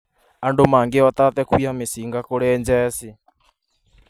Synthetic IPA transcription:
andomaŋɡeɔt̪atɛkwiamesiŋɡakoɾɛnd͡ʒɛːsi

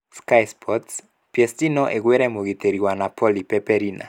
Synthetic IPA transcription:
skajspʰɔt̪s | pjest̪inoʔeɣweɾemoɣit̪eɾiwanapɔlipepeɾinʔa̰

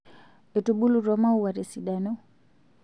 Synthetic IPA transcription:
bɛtuɓuluɾɔmauwaɾɛsiɗanɔ

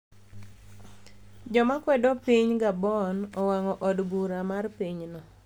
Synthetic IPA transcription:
d͡ʒɔmakwɛdɔpiɲɡabɔnɔwaŋɔʔɔdbuɾamarpiɲnɔ

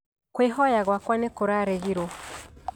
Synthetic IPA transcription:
kweɦɔjaɣwakwanekoɾaɾeɣiɾo

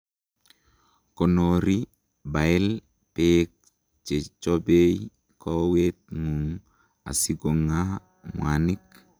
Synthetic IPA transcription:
konoɾi | bail | pek̚ | t͡ʃet͡ʃobej | kɔwet̚ŋuŋ | a̰siɡoŋa | mw̰anik̚

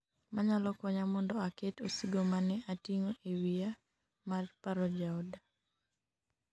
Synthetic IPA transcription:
maɲalɔkɔɲamɔndɔaketosiɡomanɛʔatiŋoʔewia | marpaɾɔd͡ʒaɔda

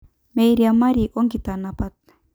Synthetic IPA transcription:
mejɾiamaɾiʔoŋɡit̪anapat̪̚

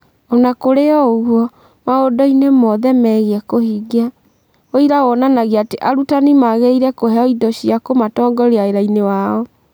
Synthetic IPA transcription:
ɔnakoɾeɔoɣwɔ | maodɔinemɔðɛmɛɣeɛkohiɡa | oiɾawɔnanaɣeateʔaɾutanimaɣeiɾɛkoɦɛɔidɔɕiakomatɔːŋɡɔɾeaeɾainewaɔ

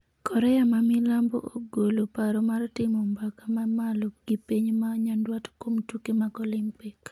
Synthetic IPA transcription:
kɔɾɛjamamɪlambo̰ʔoɡolopaɾɔmaɾtɪmombakamamaloɡ̥ipiɲmaɲandwatkomtukemaɡɔlɪmpik

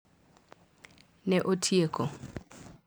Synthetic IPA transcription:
nɛʔotʰiekɔ

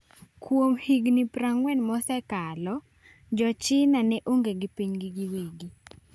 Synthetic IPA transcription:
kwomhiɡnipɾaŋwɛnmɔsɛkalɔ | d͡ʒɔt͡ʃɪnanɛʔoŋɡeɡipiɲɡiɡiweɡi

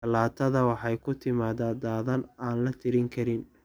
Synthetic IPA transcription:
ɐlaːt̪ʰɐðɐwɑħɑjkʰʊt̪ʰɪmaːdaːd̪aːðɐnaːnlɐt̪ʰɪɾɪŋkʰɐɾɪn

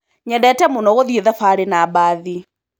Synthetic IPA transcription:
ɲɛdɛtɛmonɔɣoðieðafaɾenabaːði

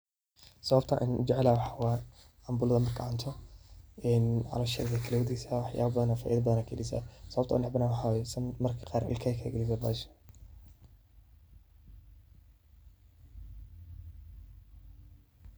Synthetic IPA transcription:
sɐβɐbt̪ʰɐ̰ʔɪ̰nʊ̰d͡ʒɛʕɛlaːwɑħɑwɑː | ʕɑmbʊlɐðɐmɐrkʰɐʕʊnt̪ʰɔ | ɛnʕɑ̰lɐʃɛðɐkʰɐlɛwdiːsɐwɑħja̰ːβɐbɐðɐnɔːfaːʔiːðɐbɐðɐnaːkʰɛ̰lɪsa̰sɐβɐb̚t̪ʰʔʊ̰nɛħbɐnaːħaːwɛsɐnmɐrkʰɐ̥qɑːɾʕɪ̰lkʰaːkʰɐɡɛlɪs̬ɐba̰ʃɐ̥

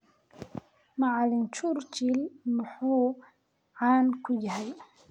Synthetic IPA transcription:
maʕalɪnt͡ʃuɾt͡ʃilmʊħuː | ʕaːnkʰʊjaɦɛj

